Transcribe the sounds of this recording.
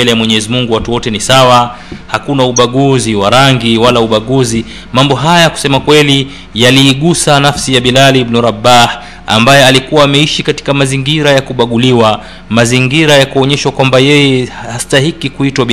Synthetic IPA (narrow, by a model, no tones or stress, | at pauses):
ɛlɛjamwɛɲɛzimuŋɡuwatuwɔtɛnisawa | hakunauɓaɠuziwaɾaŋɡiwalauɓaɠuzi | mambɔɦajajaku̥sɛmakwɛli | jaliːɠusanafsijaɓilalibnuɾabah | a̰mbajɛalikuwaːmɛiʃikati̥kamaziŋɡiɾajakuɓaɠuliwa | maziŋɡiɾajakuɔɲɛʃwakwambajɛjɛhastaɦikikuitwaɓi